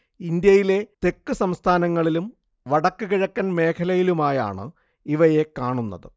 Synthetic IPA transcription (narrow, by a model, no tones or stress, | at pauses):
ind̪jɐjile̞t̪e̞kːɨsɐmst̪ʰaːnɐŋːɐɭilum | ʋɐɽɐkːɨɣiɻɐkːɐnme̞ːkʰɐlɐjilumaːja̰ːɳɨ̰ | iʋɐje̞kaːɳunːɐ̰ðɨ